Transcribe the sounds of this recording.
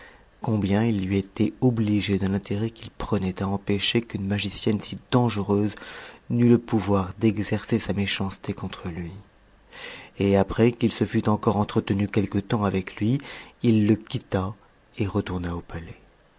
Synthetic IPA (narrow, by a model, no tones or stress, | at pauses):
kɔ̃bjɛ̃ilːɥiet̪ɛɔbliʒed̪əlɛ̃t̪eʁɛkilpχənɛt̪aɑ̃peʃekynmaʒisjɛnsid̪ɑ̃ʒəʁøznyləpuvwaʁd̪ɛɡzɛʁsesameʃɑ̃st̪ekɔ̃t̪χəlɥi | eapχɛkilsəfyt̪ɑ̃kɔʁɑ̃t̪χət̪ənykʲɛlkət̪ɑ̃avɛklɥiilːəkʲit̪a | eʁət̪uʁnaopalɛ